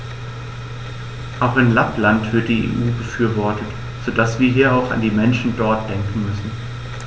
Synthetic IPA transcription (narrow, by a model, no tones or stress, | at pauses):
ʔaʊxɪnlaplantv̥ɪɐt̚d̥iːḛʔuːbəfyːɐvɔɐtʰət | z̥odasv̥iːɐɦiːɐaʊfa̰ndiːmɛnʃn̩dɔɐt̚d̥ɛŋkŋ̩mʏsn̩